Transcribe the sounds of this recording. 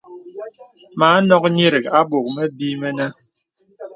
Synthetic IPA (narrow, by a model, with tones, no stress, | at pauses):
maː˨˦nɔ˦k̚ɲi˦ɾi˨ka˦bo˨k̚mɛ˦bi˦mɛ˦na˦